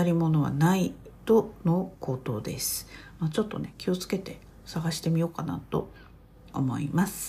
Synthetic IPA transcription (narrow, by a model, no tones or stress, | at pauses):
aɾʲimo̞no̞βa̰nait̪o̞noko̞ːt̪o̞ːd̪e̞̰sɨ̥mat͡ɕo̞t̪ːo̞̰ne̞kʲio̞t͡sɨ̥ke̞t̪e̞ | saɡaɕi̥t̪e̞mʲio̞ːkana̰t̪o̞̰ | omo̞̰imasɨ̥